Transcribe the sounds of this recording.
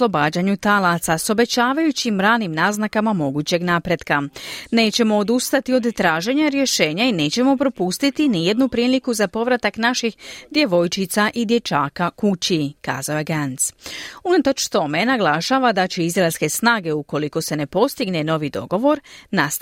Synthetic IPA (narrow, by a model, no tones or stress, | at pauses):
slˠo̞baːd͡ʑaɲut̪alasaso̞be̞t͡ɕaːʋajut͡ɕimɾaːnimnaznakamamo̞ɡuːt͡ɕe̞ɡnaːpɾe̞d̪kane̞ːt͡ɕe̞mo̞ːd̪ust̪at̪io̞d̪ːɾaːʒe̞ɲaɾje̞ʃe̞ːɲaine̞ːt͡ɕe̞mo̞pɾo̞pust̪it̪inijed̪nupɾiːlikuzapo̞ʋɾat̪aknaʃixd̪je̞ʋo̞jt͡ʃit̪saʔid̪je̞t͡ʃaːkakut͡ɕika̰ːzaoje̞ɡansunat̪o̞t͡ʃt̪o̞me̞naɡlˠaʃaːʋad̪at͡ɕeizɾaelʲske̞snaːɡe̞uko̞liko̞se̞ne̞po̞st̪iɡne̞no̞ʋid̪o̞̰ɡo̞ʋo̞ɾnas